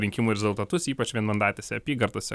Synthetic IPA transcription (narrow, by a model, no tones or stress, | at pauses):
ɾʲɪŋʲkʲɪmuɾʲɛzʊlˠt̪ɐt̪ʊsiːpɐt͡ʃʋʲiɛnmɐnd̪ɑːt̪ʲesʲɛɐpʲiːɡɐɾt̪oːsʲɛ